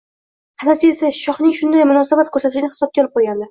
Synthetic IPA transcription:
hʰat̪aɾsɪesaʃɒχnɪŋʃʊnd̪ajmʊnɒsabat̪̚kʰɵɾsat̪ɪʃɪnɪhɪ̥sɒb̚kʲalɪp̚qʰojɡʲand̪ɪ

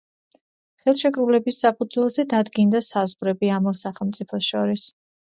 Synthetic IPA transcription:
χɛlˠʃɛkʼɾulɛbisːapʰud̪zwɛlˠzɛd̪ad̪ɡind̪asazʁɾɛbiamɔɾsaχɛlˠmt̪sʼipʰɔsʃɔɾis

